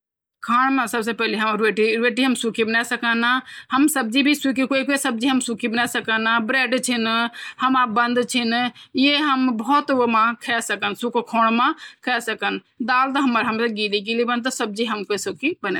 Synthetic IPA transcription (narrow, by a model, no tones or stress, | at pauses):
kʰaːɽ̃mẽsəbs̬epɛːliɦəmɾeːʈiɾeːʈiɦəmsukʰibənɛsəkənahəmsəb̚d͡ʒibʱisukikoikoisəb̚d͡ʒiɦəmsukʰibənasəkənabɾeːɖt͡ʃʰinhəmabə̃nd̪t͡ʃʰinjeɦəmbɔːt̪mãkʰɛsəkənsukkʰoːɽ̃mãkʰɛsəkən | d̪aːlt̪ɐɦɐməɾɦəmseɡiːlikilibə̃nd̪t̪ɔsəb̚d͡ʒiɦəmkoisukʰibənɛ